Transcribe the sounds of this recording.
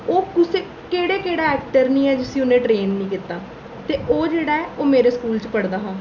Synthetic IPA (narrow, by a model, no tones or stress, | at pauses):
oːkʊseː | keːɽeːkeːɽaːɛːk̚ʈəɾnĩːɛːd͡ʒɪsĩːʊnẽːʈɾeːnːĩːkit̪aː | t̪eːʔoːd͡ʒeːɽaːɛːʔoːmeːɾeːskuːlt͡ʃpəɽd̪aːɦãː